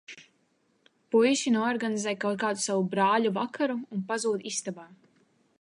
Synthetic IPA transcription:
pujʃinuɔɾɡanizɛjkawt̪̚kaːd̪usavubɾaːʎuvakʰaɾuːnpazuːd̪ist̪abaː

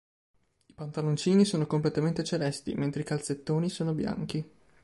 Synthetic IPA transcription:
ipant̪alont͡ʃiːnisoːnokomplet̪ament̪et͡ʃelɛst̪ḭment̪ɾeikalset̪ːoːnisoːnobja̰ŋk̟i

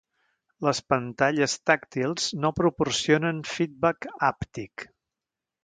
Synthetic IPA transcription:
ləspənt̪aʎəst̪akt̪ilˠznopɾupursionənfid̪̚bakapt̪ik

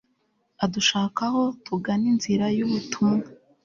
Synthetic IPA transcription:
aduʃaːkaho̞tuɡaninziɾajuβutʰuŋɡa

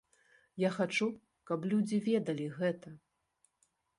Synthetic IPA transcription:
jaxat͡ʂu | kɐplʲud͡zʲivʲɛd̪ɐlʲiɣɛt̪ɐ

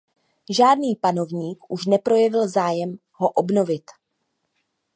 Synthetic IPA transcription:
ʒaːdniːpano̞vɲiːkʔuʃnɛpɾo̞jɛvɪlzaːjɛm | ɦo̞ʔobno̞vɪt̪

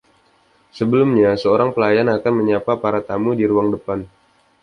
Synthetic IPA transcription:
səbəlumɲasəoɾaŋpəlajanakanməɲapapaɾat̪amudiɾuaŋdəpan

